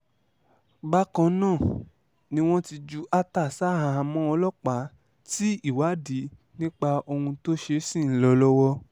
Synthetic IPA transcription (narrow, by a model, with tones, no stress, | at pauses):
ɡ͡ba˦kã˧nãː˦˨ | nĩ˧˦w̃ɔ̃˦ti˧d͡ʒu˦ʔa˦ta˦˨sa˦ɦa˨a˧˨mɔ̃˦ɔ˧lɔ˦˨k͡pa˨˦ | ti˦i˦˨wa˨˦di˨˦ | nĩ˦k͡pa˧o˧hũ˧to˦ʃe˧sĩ˦˨n̩˦lɔ˧lɔ˦wɔ˧